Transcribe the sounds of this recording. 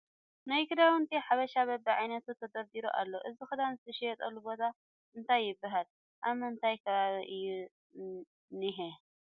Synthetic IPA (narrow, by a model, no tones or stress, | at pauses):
najkɨd̪awunt̪ʰiħaβɐʃaβɐbːɐʕajnɐt̪ut̪ʰːɐd̪ɐɾd̪iɾṵʔa̰lːo̞ʔɨzixɨd̪anzɨt̪ʰɐʃejɛt̪ʼɐlːubo̞t̪ʰa | ʔɨnt̪ʰajːɪbːaɦal | ʔamɐɨnt̪ʰajkʰɐβaβiʔɨjːu | niɦe